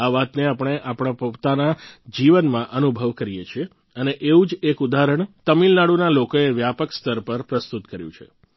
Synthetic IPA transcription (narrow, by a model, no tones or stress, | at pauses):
aʋat̪neapəɳ̃eʔapɽ̃apət̪anad͡ʒiʋənmãʔənubʱəʋkəɾijet͡ʃʰie | əneʔeʋũd͡ʒekud̪aɾəɳ̃t̪əmilnaɽunalokoeʋjapəkst̪ʰəɾpəɾpɾəst̪ut̪kəɾjṵ̃t͡ʃʰḛ